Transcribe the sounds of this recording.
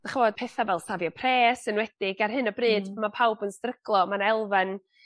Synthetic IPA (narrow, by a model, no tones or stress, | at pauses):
d̥aχəvɔd̥̚pʰeːθavɛlˠsavjɔpʰr̥eːsɨnwɛd̥ɪɡarɦɨnɔbrɨːdmapʰawbənstrəɡ̥lˠɔmanɛlˠvan